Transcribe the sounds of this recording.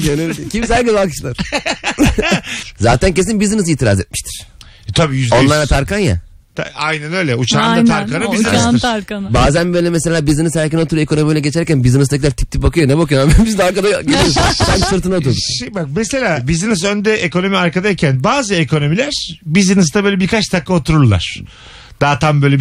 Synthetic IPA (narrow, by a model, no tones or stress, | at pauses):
ønyicʰʲimsæɾcezalˠkɯ̥ʃlˠaɾ̥ | za̰ːt̪ʰænce̞sinbizinɯziːt̪ʰiɾa̰zḛt̪̚miʃt̪ʰi̥ɾ̥ | t̪ʰabiːjyzdo̞nlˠaɾlˠat̪ʰaɾkanja̰ | t̪aajnɛnø̞jlʲɛut͡ʃʰanat̪ʰaɾkanɯizaaɾkabaːzænbøjlʲɛmese̞lʲaːbizinɯzhæɾcino̞t̪ʰuɾe̞ko̞no̞mijlʲɛɟet͡ʃʰæɾcænbizinɯzt̪ʰacilʲæɾt̪ʰi̥p̚t̪ipbakʰɯjonɛbakɯjoabbiznaɾkad̪aɟet͡ʃeɾosænsɯɾt̪ʰɯnao̞t̪ʰuɾd̪uʃebak̚mese̞lʲaːbizinɯzø̞nd̪ɛʔeko̞no̞miaɾkad̪aicʰænbaːzɯekʰo̞no̞milʲæɾ̥bizinɯst̪abøjlʲebiɾkʰat͡ʃt̪ʰakːˠaot̪ʰuɾuɾlˠa̰ɾ̥ | d̪̥aːt̪ʰambø̞jlʲɛ